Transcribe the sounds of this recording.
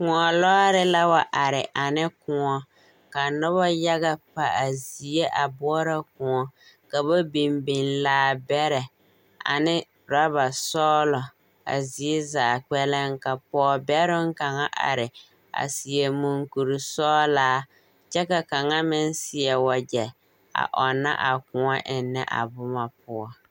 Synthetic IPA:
kʊ˨ŋɔ˨lɔː˦ɾɪ˦la˦wa˨ʔa˨ɾɪ˨ʔa˨nɪ˦kʊ˨ŋɔ˦ | ka˨nʊ˦βɔ˦ja˦ɣa˦pa˨a˨zi˨e˦ʔa˨bʊ˦ɔ˦ɾa˦kʊ˨ŋɔ˨ | ka˨ba˦bi˨mbɪ˨nlaː˦bɛ˦ɾɛ˨ | a̰˨nɪ˦ | ɾa˦βa˨sɔː˦lɔ˨ | a̰˨zi˨e˦zaː˨k͡pɛ˦lɪ˦ŋka˨pɔː˦bɛ˦ɾɪ˦ŋ˦ka˨ŋa˦ʔa̰˨ɾɪ˨ | a̰˨si˨e˨mu˨ŋku˨ɾi˨sɔː˦laː˦ | t͡ʃɛ˦ka˨ka˨ŋa˦mɪ˦n˦sɪ˨ɛ˨wa˨d͡ʒɛ˨ | a̰˨ʔɔ˨na̰˦ʔa˨kʊ˨ŋɔ˦ʔɪ˨nːɛ̰˦ʔa̰˨bʊ˦ma˨p̚ʊ˦ɔ˦

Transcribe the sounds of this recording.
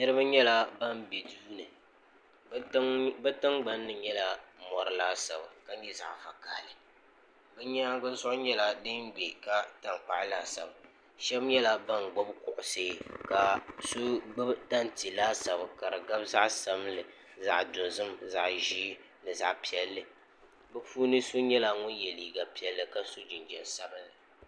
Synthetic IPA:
nɨ˦ɾɨ˦ba˦ɲɛ˦la˦ba˦˨mbe˨duː˦nɨ˨˦ | bɛ˦tɨ˦ŋɡ͡ba˦nːɨ˨ɲɛ˦la˦mɔ˨ɾɨ˦laː˦sa˨ba˨ka˦ɛ˦za̰˨ʔfa˨ka̰ː˦˨lɨ˨ | bɛ˦ɲɛ˦ɡɨ˦n˦zʊ˦ʔʊ˦ɲɛ˦la˦dɨ˦nɡ͡bɛ˨ka˦ta˨ŋk͡pa˨ʔlaː˦˨sa˨ba˨ | ʃɛ˦bɲɛ˦la˦ba˦nɡ͡bo˦bkʊ˨ʔʊ˨seː˦ka˨so˦ɡ͡bta˦n˨ti˨laː˦sa˨bɨ˨ka˨ɾɨ˨ɡa˦bza˦ʔsa˦mlɨ˨ | za̰˨ʔdʊ˨nzɨ˦mza˨ʔʒiː˦ | lɨ˨za̰˨ʔpi˦ɛ˦lːɨ˨ | bɛ˦fuː˦nɨ˦so˦ɲɛ˦la˦ŋʊ˦njɛ˨liː˨ɡa˨pi˦ɛ˦lːɨ˨ka˦so˦d͡ʒɪ˨nd͡ʒɛ˨nsa˦bɨ˦la˨

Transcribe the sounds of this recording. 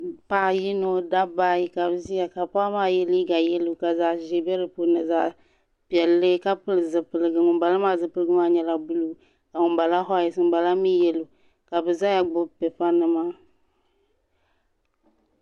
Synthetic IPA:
pa˨ji˦no˦da˦baː˦ji˦ka˨bɨ˨zi˦ja˨ka˨pa˦maː˦˨jɛ˦li˦ɡa˨jɛ˦lu˦˨ka˨za˨ʒe˨bɛ˦ɾɨ˨po˨na˨za˨ | pi˨ɛ˨lːɨ˦ka˦pɨ˦lɨ˨zɨ˨pɨ˨lɨ˨ɡɨ˨ŋʊ˨nba˨la˦maː˦˨zɨ˨pɨ˦lɨɡɨ˦maː˦˨ɲɛ˨la˨bu˦lu˨˦ | ka˨ŋʊ˨nba˨la˦ɦɔ˦ɛ˨sɨ˦m˦ba˨la˦mi˦jɛ˨lu˨ | ka˨bɨ˨za˦ja˨ɡ͡bʊ˦pɛ˨fa˦nɨ˦maː˦

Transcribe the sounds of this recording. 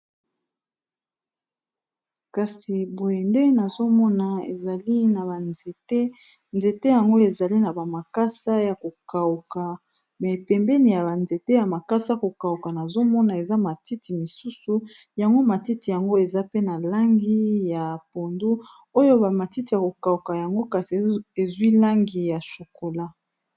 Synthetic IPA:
ka˨si˨bo˨je˨nde˦na˨zo˦mɔ˦na˨ḛ˨za˨li˦na˨ba˨nze˨te˦ | nze˨te˦ja˨ŋɡo˦e˨za˨li˦na˨ba˨ma˨ka˦sa˦ja˨ko˨ka˨u˨ka˨ | mɛ˨pɛ˨mbɛ˦ni˨ja˨ba˨nze˨te˦ja˨ma˨ka˦sa˦ko˨ka˨u˨ka˨na˨zo˦mɔ˦na˨e˨za˦ma˨ti˦ti˨mi˨su˦su˨ | ja˨ŋɡo˦ma˨ti˦ti˨ja˨ŋɡo˦e˨za˦pe˦na˨la˦ŋɡi˦ja˨po˨ndu˦ | o˦jo˦ba˨ma˨ti˦ti˨ja˨ko˨ka˨u˨ka˨ja˨ŋɡo˦ka˨si˨e˨zwi˦la˦ŋɡi˨ja˨ʃo˨ko˨la˦

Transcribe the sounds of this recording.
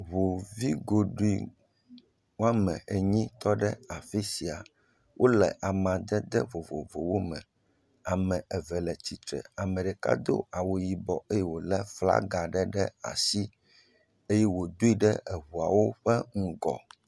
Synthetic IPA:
βo˨vi˦ɡo˨ɖu˦i˦˨ | wa˦mɛ̰̃˨e˨ɲĩ˦t̪ɔ˦ɖɛ˦a˨fi˦si˨a˨ | wʔo˦lɛ˨ʔa˨mã˨d̪ɛ˦d̪ɛ˦vo˨vo̰˨vo˨wo˦mɛ̰̃˨ | a˨mɛ̃˨ɛ˨vɛ˨lɛ˨t͡ɕi˨t̪ɾɛ̰˨a˨mɛ̃˨ɖɛ˨ka̰˦d̪o̰˦a˨wo˨ji˨bɔ˨e˦jɛ˦wo˨lɛ˦fla̰˦ɡa˨ɖɛ˦ɖɛ˦a̰˨si˦ | e˦jɛ˦wo˨d̪o˦i˦ɖɛ˦ʔɛ˨βu˨a˨wo˦ɸɛ˦ŋ̩˦ɡɔ̰˨

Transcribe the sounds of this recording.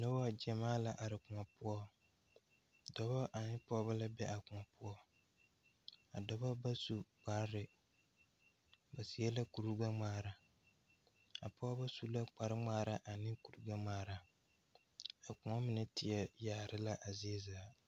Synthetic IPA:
no˦wa˦d͡ʒɛ˨maː˦la˨ʔa˨ɾɪ˨kʊ˨ŋɔ˨pʊ˦ɔ˦ | dɔ˨βɔ˦ʔa˨nɪ˦pɔː˦ba˦la˦bɛ˦ʔa˨kʊ˨ŋɔ˨pʊ˦ɔ˦ | a̰˨dɔ˨bɔ˦ba˦su˨k͡pa˨˦ɾɪ˨ | ba˨si˨ɛ˦la˦ku˨ɾu˦ɡa˦ŋ͡maː˨˦˨ɾa˨ | a̰˨pɔ˦ba˦su˦la˦k͡pa˨ɾɪ˦ŋ͡maː˦˨ɾa˦ʔa˨nɪ˦ku˨ɾu˦ɡa˦ŋ͡maː˦˨ɾa˨ | a˨kʊ˨ŋɔ˦mɪ˨nɛ˦tɪ˨ɛ˦jaː˨ɾɪ˦la˦ʔa˨zɪ˦zaː˨˦˨

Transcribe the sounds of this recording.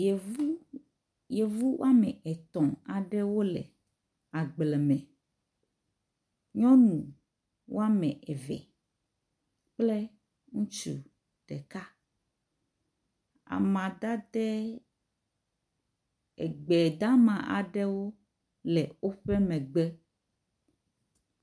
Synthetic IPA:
je˨vu˦w̰a˦mɛ̰˨ʔɛ˨t̪ɔ̃˨a˨ɖɛ˦wo˦lɛ̰˨ | a˨ɡ͡blɛ˨mɛ̃˨ | ɲɔ̃˦nũ˨ | wʔo˦a˦mɛ̃˨ʔɛ˨vɛ̰˨ | k͡ple˦ | ŋũ˦t͡ʃṵ˨ | ɖ̥ɛ˨ka˦ | a̰˨mã˨d̪a˦d̪ɛ˦ | ɛ˨ɡ͡bɛ˨d̪a˦mã˨ʔa̰˨ɖɛ˦wo˦ | lɛ˨wo˦ɸe˦mɛ̃˨ɡ͡bɛ˦

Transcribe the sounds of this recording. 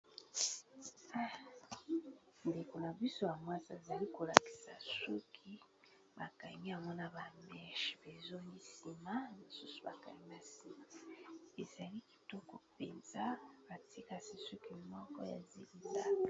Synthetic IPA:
a˦ | nde˨ko˨na˨bi˦so˦ja˨mwa˦sa˦e˨za˨li˦ko˨la˨ki̥˨sa̰˨su˦kʰi˦ | ba˨ka̰˨ɲi˦a˨mɔ˦na˦ba˨mɛ˦ʃi̥˨be˨zo˦ni˦si˨ma˦ni˨su˦su̥˨ba̰˨ka̰˨ɲi˦ma˨si˨ma˨e˨za˨li˦ki̥˨tɔ˦kɔ˨pe˨nz̥a˦ba˨ti˦ka˨si˨su˦ki˦mɔ˦kɔ̰˦ja̰˨zi˦li˦da˦ka˨

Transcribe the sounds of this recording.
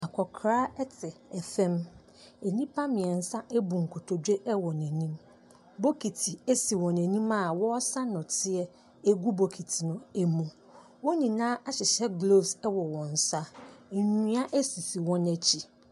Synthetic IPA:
a˨kʰɔ˨kʰɾaː˦ɛ˦tʰɪ˨ɛ˨fɛ̃˦m | ɛ˨nĩ˦pʰa˦mɪ̃˨ɛ˨n̩˨sa˦ʔɛ˦bu˨ŋ̩˨kʰo˨tʰo˨dᶣe˦ʔɛ˦wɔ˨nɛ̃˨nĩ˦m | bo˦kʰi˨tʰi˨e˦si˨wɔ̃˨nɛ̃˨nĩ˦ma˦˨wɔ˦ɔ˦sa˦nʊ̃˨tʰɪ˦ɛ˦ | e˦ɡu˦bo˨kʰi˨tʰi˨nʊ̃˨ɛ˨mũ˨ | wɔ˦nĩ˨nãː˦ʔa˦ɕɪ˨ɕɛ˦ɡlo˦˨sɛ˦wɔ˨wɔ̃˨n̩˨sa˦˨ɲĩ˦a˦ʔæ˦si˨si˨wɔ̃˦næ˦t͡ɕʰi˨

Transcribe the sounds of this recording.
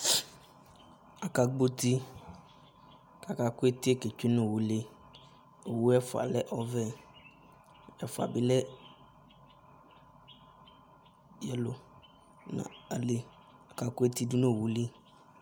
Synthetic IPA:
a˨ka˨ɡ͡bo˦t̪i˦ | ka˨ka˨ku˦e˦t̪i˦e˦ke˨t͡ʃe˦nõ˨wu˨le˦ | o˨wu˦ɛ˦fʊ˨a̰˨lɛ˦ʔɔ˦vɛ˦ | ɛ˨fʊ˨a̰˨bi˦lɛ˦ | jɛ˦lo˨ | nã̰˨a˨le˨ | a˨ka˨ku˦e˦t̪i˦du˦nõ˦˨wu˨le˦

